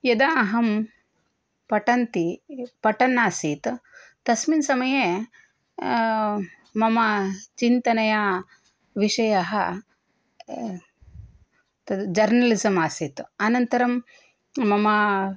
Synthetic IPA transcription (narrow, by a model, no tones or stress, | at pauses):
jɐd̪aɐɦɐm | pɐʈɐnt̪ipɐʈɐnːaːsiːt̪ | t̪ɐsminsɐmɐje | mɐmɐt͡ʃint̪ɐnɐjɐ | ʋiʂɐjɐɦɐ | t̪ɐd͡ʒɐɾnɐlisɐmaːsiːt̪ɐnɐnt̪ɐɾɐmː | ɐmɐ